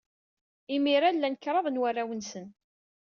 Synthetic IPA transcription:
imiɾalːænəkːɾˤɑðˤnwarːawənsən

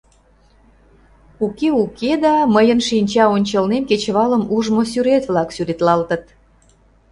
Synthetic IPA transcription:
ukeuked̪ɑməjənʃinʲt͡ɕɑonʲt͡ɕəlnemket͡ɕβɑləmuʒmosyɾet̪βlɑksyɾet̪lɑlt̪ət̪̚

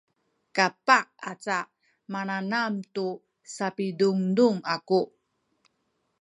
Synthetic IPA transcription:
kapaʔat͡sa | mananamtu | sapiduŋduŋaku

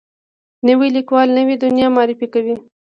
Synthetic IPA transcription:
nəwilikwɑlnəwid̪ʊnjɑmɑɾɪfikawi

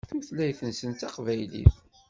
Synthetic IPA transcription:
θuθlæjθənsənt̪ɑqvæjlḭθ

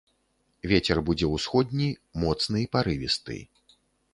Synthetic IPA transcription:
vʲet͡sʲɛrbud͡zʲɛwsxɔd̪ʲnʲimɔt̪snɨipaɾɨvʲist̪ɨ̰j

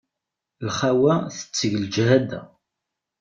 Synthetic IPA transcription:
lχawæθə̥t͡sːəʝəld͡ʒhæd̪æ̰

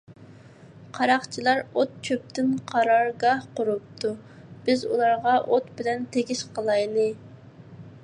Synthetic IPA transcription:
qʰɑɾɑχt͡ʃʰilˠɑɾot̪̚t͡ʃʰøp̚t̪ɪnqʰɑɾɑɾɡɑhqʊɾup̚t̪ʰu | b̥ɪzṵlˠɑɾʁɑʔot̪bɪlɛnt̪ʰeɡʲiʃqʰəlˠɑjlˠɨ

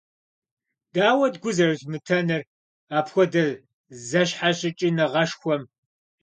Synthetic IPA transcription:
d̥aːwɐdɡʷʊzɐrɨɕmɨtʰɐnɐr | aːpxʷɔdɐ | zɐɕħaɕʼɪt͡ʃʼinɐʁɐʂxʷɔm

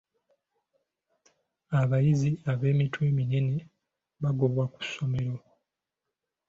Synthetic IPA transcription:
aβajiziaβe̞ːmitwe̞ːmine̞ne̞ | βaɡo̞βwaku̥sːo̞me̞ɾo̞

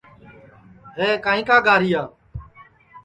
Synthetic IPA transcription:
ɦeːkaːɦĩːkaːɡaːɾiːaː

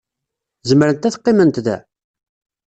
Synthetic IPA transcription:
zəməɾənt̪æθqːimənt̪ðæ̰

